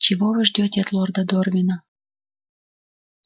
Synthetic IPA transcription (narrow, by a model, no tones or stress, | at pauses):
t͡ɕiβoβɨʒdʲot̪ʲet̪lord̪ɑd̪orvʲina